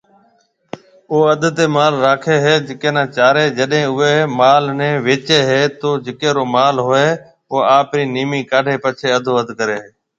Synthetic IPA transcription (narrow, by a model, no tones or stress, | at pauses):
oːəd̪t̪eːmaːlɾaːkʰeːɦeːd͡ʒɪkeːnãːt͡ʃaːɾeːd͡ʒəɗɦẽːʊeːmaːlnẽːʋeːt͡ʃeːɦeːt̪oːd͡ʒɪkeːɾoːmaːlɦoːeː | oːaːpɾiːniːmiːkaːɖʱeːpət͡ʃʰeːəd̪ʱoːəd̪ʱkəɾeːɦeː